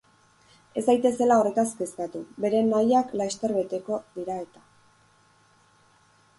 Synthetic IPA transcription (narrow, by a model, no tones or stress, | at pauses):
e̞zd̪ajt̪e̞se̞lao̞re̞t̪askest̪at̪ube̞ɾe̞najaklast̪e̞ɾβe̞t̪e̞ko̞ðiɾae̞t̪a